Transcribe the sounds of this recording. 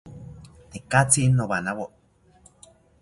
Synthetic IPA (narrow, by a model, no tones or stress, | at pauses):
t̪ekat͡siʔnːoβanaβo